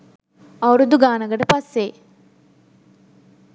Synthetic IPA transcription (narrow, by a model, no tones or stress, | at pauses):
ɐwɾud̪uɡaːnɐɡəʈəpɐsːe